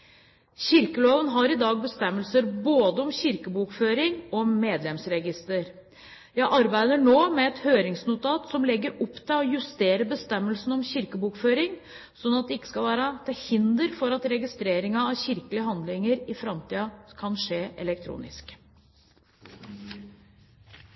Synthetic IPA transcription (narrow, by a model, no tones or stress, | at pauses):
çɪɾkəloːʋənɦɑɾɪd̪ɑːɡ̚bəst̪ɛmːəlsəɾboːd̪əɔmɕɪɾkəbuːkføːɾɪŋɔmeːd̪lɛmsɾɛɡɪst̪əɾ | jæɪʔɑɾbæɪd̪əɳoːmɛɛt̪høːɾɪŋsnʊt̪ʰɑːt̪sɔmlɛɡːəɾɔpːt̪ʰɛɔjʉst̪eːɾəbəst̪ɛmːəlsn̩ɔmɕɪɾkəbuːkføːɾɪŋ | sɔnːɑt̪̚d̪ɛɪkːə̥skɑlʋæːɾət̪ʰɪhɪnd̪əɾfɔɾɑt̪ɾɛɡɪst̪ɾeːɾɪŋɑːɕɪɾkəlɪəɦɑnd̪lɪŋəɾɪfɾɑmt̪iːɑkʰɑnʂeːʔɛ̰lɛk̚t̪ʰɾṵːnɪ̰sk